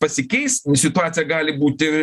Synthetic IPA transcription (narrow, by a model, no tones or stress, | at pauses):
pɐsʲɪkʲɛɪssʲɪt̪ʊaːt̪sʲijɛɡɑːlʲɪbuːt̪ʲɪ